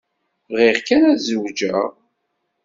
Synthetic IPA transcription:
ʁiʁkænæzəwd͡ʒæ

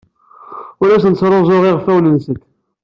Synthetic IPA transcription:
ʊɾæsənsɾˤozˤoʁeʁfæwlənsəkː

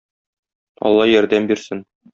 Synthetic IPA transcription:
ɒ̰lˠːɑjɒɾd̪æmbiɾsɘn

